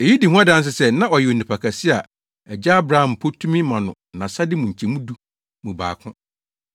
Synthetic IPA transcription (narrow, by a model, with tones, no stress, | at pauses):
e˨ji˦di˨ɦũ˦a˦dã˦ns̬ɪ˨sɛ˦nã˦ɔ˨jɛ˨o˨nĩ˨pʰa˨kʰa˨sɪ˦a˨ | ɛ˨d͡ʑa˦a˦bɾa˦hã˨m̩˨pʰo˦tʰũ˦mĩ˦mã˨nʊ̃˨nã˨sa˦dɪ˦mũ˨ɲ̩˨t͡ɕʰɛ˨mũ˦du˦ | mũ˨ba̰ː˨kʰʊ̃˦